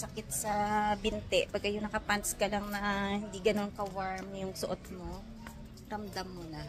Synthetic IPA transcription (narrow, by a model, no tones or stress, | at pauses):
sɐkɪt̪̚sɐbɪnt̪ɛʔpɐɡ̚kɐjoŋnɐkɐpanskɐlaŋnɐhɪnd̪iɡɐno̞nkɐwaɹmjʊŋsoʔot̪̚mo̞ | ɾɐmd̪amːunɐ